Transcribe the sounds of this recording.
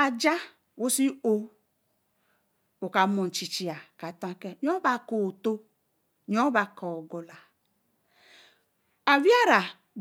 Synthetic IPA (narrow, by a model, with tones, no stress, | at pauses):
a˨d͡ʒa˦ | wo˦si˦o˦ | o˨ka˨˦mo˨n̩˨t͡ʃi˨t͡ʃi˨a˨ka˨tã˦kɛ˦ɲ˦o˦ba˦ko˨to˦ | ɲo˦ba˨kɔ˨ɡo˨la˨ | a˨vi˦a˦ɾa˨